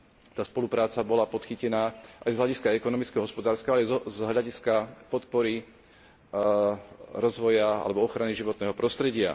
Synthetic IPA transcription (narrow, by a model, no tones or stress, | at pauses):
t̪aːspɔlupɾaːt͡sabɔlapɔt̪xicɛnaːʔajzɦlʎaɟiskaɛkɔnɔmit͡skɛɦɔɦɔspɔd̪aːɾskalɛzɦʎaɟiskapɔt̪pɔɾi | ɾɔzʋɔjaa̰lɛbɔɔxɾaniʒiʋɔt̪nɛːɦɔpɾɔst̪ɾɛɟɪa̰